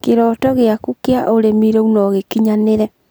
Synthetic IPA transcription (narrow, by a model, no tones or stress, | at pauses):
keɾɔːtɔɣeakukeaʔoɾemiɾɔunɔɣekiɲaneɾɛ